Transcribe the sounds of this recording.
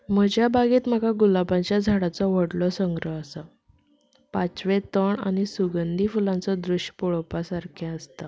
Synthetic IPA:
m̤əd͡ʑʱjabaɡiːt̪m̤əɡaɡulabãt͡ɕjad͡zʱaɽat͡sɔʋəɽlɔsəŋɡɾəɦəsə | pat͡sʋẽt̪əɳa̰ñisuɡənd̪ʱifulãnt͡sɔd̪ɾuɕjpɔɭpasaɾkʰɛ̃əst̪a

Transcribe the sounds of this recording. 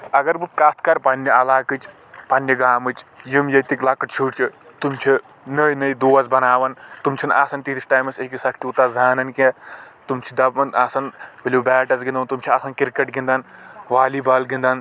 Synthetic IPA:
ɐɡɐɾbɨkaːt̪ʰkɐɾpɐnʲːɐɐlaːkɨt͡ʃ | pɐnːɐɡaːmɨt͡ʃjimjɐt̪ikʲlaːkɨʈt͡ʃʰuʈt͡ʃʰit̪umt͡ʃʰi | nɐjnɐjd̪uːɐzbɐnaːʋɐnt̪umt͡ʃʰina̰ːsɐnt̪it̪isʈaːjmɐsekisɐkʰt̪ʲiut̪azaːnɐnkʲẽt̪umt͡ʃʰid̪ɐbɐnaːsɐnbilʲubɛːʈɐzɡind̪ɐnt̪umt͡ʃʰiaːsɐnkiɾkɐʈɡĩnd̪ɐnʋaːlibaːlɡĩnd̪an

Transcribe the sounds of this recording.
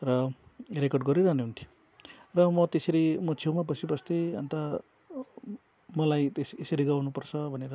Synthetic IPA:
rʌrekʌrɖɡʌɾiɾaɦneɦunt̪ʰji̥ | rʌmʌt̪eseɾimʌt͡sʰewmapʌsʰipʌst̪eʌ̰nt̪a | mʌlajt̪eseseɾiɡawnupʌrt͡sʰʌbʱʌneɾʌ

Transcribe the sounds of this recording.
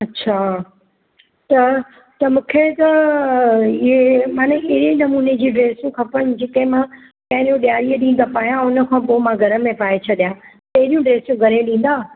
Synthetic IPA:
ɐtːɕʰaː | t̪ɐ | t̪ɐmũːkʰet̪ɐ | ɪɦemãːneɪɦɪɾenɐmuːned͡ʑiːɖɾeːsjũkʰɐpəɽ̃̆d͡ʑeːkɐ̃ɦɪ̃mã | pɐ̃ɦɪ̃ɾjũɗijaːɽijəɗĩːnd̪apaːɦijãʊnəkʰãpoːmãɡʱɐɾəmẽpaːet͡ɕʰɐɗijã | pɐɦɪɗijũɖɾeːsjũɡʱɐɾẽɗĩːn̆d̪aː

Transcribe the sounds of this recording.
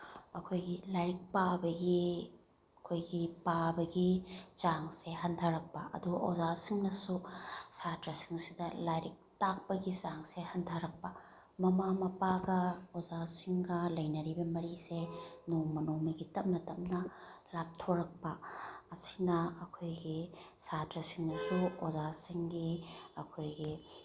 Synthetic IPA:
ɐkʰojɡilajɾik̚pabɐɡi | ɐkʰojɡipabɐɡit͡ʃaŋseɦɐntʰɐɾɐk̚pɐʔɐ̰duʔozasiŋnɐsusatɾɐsiŋsidɐlajɾik̚tak̚pɐɡit͡ʃaŋsehɐntʰɐɾɐk̚pɐ | mɐmamɐpaɡɐozasiŋɡɐlɐjnɐɾibɐmɐɾisenoŋmɐnoŋmɐɡitɐmmːɐtɐmnɐlap̚tʰoɾɐk̚pɐːsi̥nɐɐkʰojɡisatɾɐsiŋnɐsuozasiŋɡiɐkʰojɡi

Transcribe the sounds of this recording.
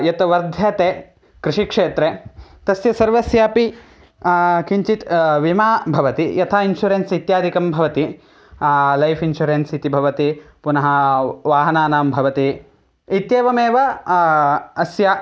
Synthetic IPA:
jɐt̪ɐʋɐɾd̪ʱjaːt̪eː | kɾɪʂikʂeːt̪ɾet̪ɐsjɐsɐɾʋɐsjaːpi | kiɲt͡ʃit̪ʋimaːbʱɐʋɐt̪ijɐt̪ʰaːinʃuɾeːnsit̪jaːd̪ʱikɐmbʱɐʋɐt̪i | lɐjpʰinʃuɾeːnsit̪ibʱɐʋɐt̪ipunɐɦɐʋaːɦɐnaːnaːmbʱɐʋɐt̪i | it̪jeːʋɐmeːʋɐ | ɐsjɐ

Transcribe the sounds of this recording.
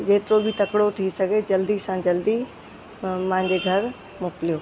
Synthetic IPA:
d͡ʑeːt̪ɪɾobʱit̪ɐkɽot̪ʰisɐɡʱed͡ʑɐld̪isãd͡ʑɐld̪i | mãɦɪ̃ɲd͡ʑeɡʱɐɾ | mʊklijoː

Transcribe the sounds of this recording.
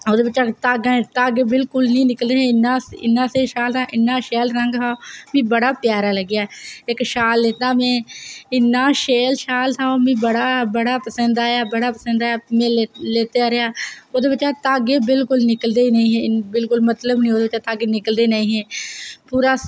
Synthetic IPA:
oːd̪eːbɪt͡ʃːaːt̪aːɡẽt̪aːɡeːbɪlkʊlnĩːnɪkəld̪eːɦeɪnːaːɪ̰nːãːseːʃaːlt̪ãːʔɪnːãːʃeːlɾəŋɡɦaːoːmĩːbəɽaːpjaːɾaːləɡjaːɪkʃaːlːeːt̪aːmẽːɪnːãːʃeːlʃaːlt̪aːoːmĩːbəɽaːbəɽaːpəsə̃nd̪aːjaːbəɽaːpəsə̃nd̪aːaːmẽːleːt̪eaːɾeaːoːd̪eːbɪt͡ʃːaːt̪aːɡeːbɪlkʊlnɪkəld̪eːnəĩːɦẽːbɪlkʊlmət̪ləbnĩːoːd̪eːɪt͡ʃaːt̪aːɡeːnɪkəld̪eːnaĩːɦẽːpuːɾaː

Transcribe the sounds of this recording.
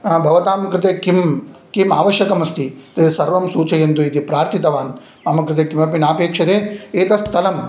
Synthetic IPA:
bʱɐʋɐt̪aːmɐkɾɪt̪̬eːkimkimaːʋɐʃjɐkɐmɐst̪it̪esɐɾʋɐmsuːt͡ʃɐjɐnt̪̬uit̪ipɾaːɾt̪ʰit̪ɐʋaːn | aːmɐkɾɪt̪̬ekimɐpinaːpeːkʂɐt̪eːeːt̪ɐst̪ʰːɐlɐm

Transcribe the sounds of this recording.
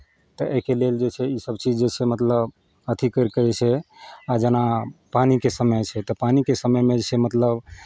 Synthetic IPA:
t̪ɔʔeɦkeleld͡ʒet͡ʃʰɛisəbt͡ʃid͡ʒd͡ʒet͡ʃʰɛmət̪ləb | ət̪ʰikəɾkəɾɛt͡ʃʰɛad͡ʒənapanikesəməjt͡ʃʰɛt̪ɔpanikesəməjmed͡ʒet͡ʃʰɛmət̪ləb

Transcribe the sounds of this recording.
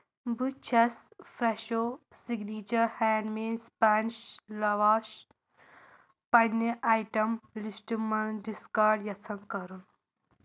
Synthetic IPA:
but͡ʃʰɐsfʰɾeʃo | siɡniːt͡ʃɐɾhɛːnɖmiːnspant͡ʃlɐʋaːʃ | pɐnːeʔaːjʈɐmlisʈimɐnɖiskaɾɖjɐt͡sʰɐŋkɐɾun

